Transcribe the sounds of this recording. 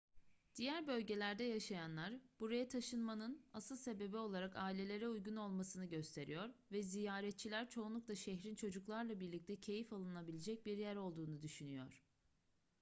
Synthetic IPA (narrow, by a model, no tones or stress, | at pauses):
d̪̥ijæɾbø̞lʲɟe̞lʲæɾd̪ɛjaʃajanlˠaɾb̥uɾajat̪ʰaʃɯnmanɯnasɯlˠse̞be̞bio̞lˠaɾakaːilʲe̞lʲe̞ɾɛujɡuno̞lˠmasɯnɯɟø̞st̪ʰe̞ɾijo̞ɾvɛzijaːɾɛt̪̚t͡ʃʰilʲæɾt͡ʃʰo̞unˠukd̪ˠaʃɛçɾint͡ʃʰo̞d͡ʒuklˠaɾlˠabiɾlʲic̚t̪ʰɛcʰe̞jifalˠɯnabilʲed͡ʒɛc̚biɾjæɾo̞lˠd̪uːnud̪yʃynyjo̞ɾ̝̥